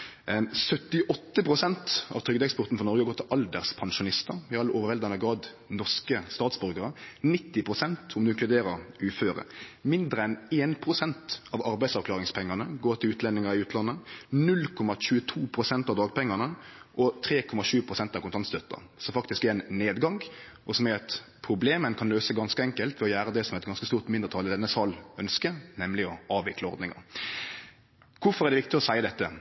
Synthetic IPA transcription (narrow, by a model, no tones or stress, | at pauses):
sœt̪ɪʔɔt̪ːəpʰʁʊsɛnt̪ɑ̰ʋt̪ɾʏɡ̚d̪ɛkspɔɾt̪n̩fɔʁnɔɾɡəɡoːɾt̪ʰɪlʔɑld̪əʁspʰɑnʃʊnɪst̪əɾɪɑlːəʔoːʋəɾɛld̪ɑnəɡɾɑːd̪ | nɔʁʂkəst̪ɑːt̪sbʉɾɡəɾənɪt̪ːɪpʰʁʊsɛnt̪ʰɔmd̪ʉɪŋklʉd̪eːɾəɾʉːføːɾə̰mɪnd̪ɾəɛneːnpʰɾʊsɛnt̪ɑʋɑɾbæɪdsɑʋkʰlɑːʁɪŋspʰɛŋːɑnəɡoːt̪ʰɪlʉːt̪lɛnːɪŋəɾɪʉːt̪lɑnːənʉlkʰɔmɑɕʉːət̪ʰuːpʰɾʊsɛnt̪ɑʋd̪ɑːɡ̚pɛŋːənəʔɔt̪ʰɾeːkʰɔmɑʃʉːpʰʁʊsɛnt̪ɑʋkʊnt̪ʰɑnst̪œt̪ːə̰ʁsɔmfɑkt̪ɪskɛɛnneːd̪ɡɑŋ | ʔɔsɔmɛɑt̪pʰɾʊbleːmənkʰɑnløːsəɡɑnskəɛŋkəlt̪ʋɛɔjæːɾəd̪ɛsɔmɛt̪̚ɡɑnskəst̪uːʁt̪mɪnd̪əɾt̪ʰɑːlɪd̪ɛnːəsɑlœnskənɛmlɪɔɑːʋɪkləɔ̰ɾd̪nɪŋɑ̰ʁ | kʰʊfɔʁɛʁd̪ɛʋɪk̚t̪ɪɔsæɪəd̪ɛt̪ːə